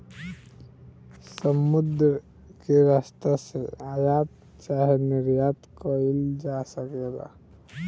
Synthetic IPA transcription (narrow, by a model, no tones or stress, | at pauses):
səmud̪ɾ | keɾast̪aseajat̪̚ | t͡ʃaɦeniɾjat̪kəild͡ʒasəked̪a̰